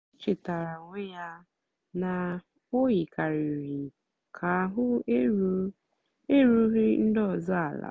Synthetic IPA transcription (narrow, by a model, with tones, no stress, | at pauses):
t͡ʃɪ˨ta˨ɾa˨ŋe˦ja˦ | na˨ | o˦ɣi˨ka˨ɾi˨ɾi˨ | kʰa˨ɦʊ˦ | e˦ɾu˦ɾi˦n̩˦dɔ˦˨zɔ˦a˨la̰˨